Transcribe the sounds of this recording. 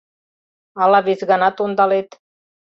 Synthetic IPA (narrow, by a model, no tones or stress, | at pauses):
ɑlɑβesɡɑnɑt̪ond̪ɑlet̪